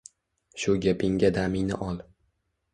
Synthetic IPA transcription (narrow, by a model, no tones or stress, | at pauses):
ʃʊɡʲapʰɪŋɡʲad̪amɪŋnɪ̰ʔɒlˠ